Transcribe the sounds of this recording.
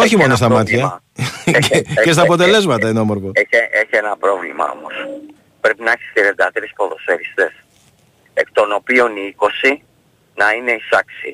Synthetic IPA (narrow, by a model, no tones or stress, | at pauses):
o̞çimo̞no̞st̪ɐmɐt̪çɐ | ce̞st̪ɐːpo̞t̪e̞le̞zmɐt̪ɐinoomoɾfoeeeçienɐpɾo̞vlḭmɐ̰o̞̰mo̞s | pɾe̞pinɐeçi̥st̪iɾe̞nd̪ɐt̪eɾispo̞ðo̞seɾist̪e̞s | ḛkt̪o̞no̞pio̞niiko̞si | nɐine̞isɐksḭ